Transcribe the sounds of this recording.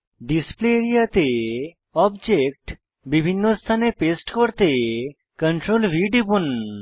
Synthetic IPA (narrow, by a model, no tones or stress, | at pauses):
ɖispleɾijat̪e | ɔbd͡ʒek̚ʈ | bibʱinːost̪ʰanepesʈkɔɾt̪e | kəɳʈɾolʋiɖipun